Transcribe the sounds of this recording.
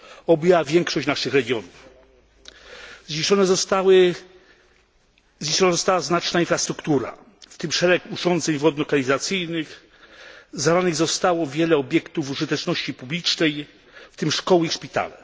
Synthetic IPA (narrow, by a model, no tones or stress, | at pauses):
ɔbɛwavʲjɛŋkʂɔɕt͡ɕnaʂɘxɾɛɡʲjɔnuf | zɲiʂɔnɛzt̪aw | ɲiʂɔnazɔst̪awaznat͡ʂnainfɾast̪ɾukt̪uɾa̰ | ft̪ɘmʂɛɾɛkuʐɔnd̪zɛɲvɔd̪̚nɔɾɡaɲizat̪sɘjnɘx | zaɾanɘɣzɔst̪awɔvʲjɛlɛɔbʲjɛkt̪ufuʐɘt̪ɛt͡ʂnɔɕt͡ɕipublʲit͡ʂnɛj | ft̪ɘmʂkɔwɘiʂpʲit̪a̰lɛ